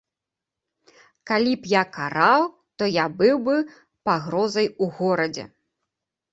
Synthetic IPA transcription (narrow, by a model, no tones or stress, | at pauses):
kalʲipjakaɾaw | t̪ɔjabɨwbɨ | paɣɾɔzɐjuɣɔɾɐd͡zʲɛ̰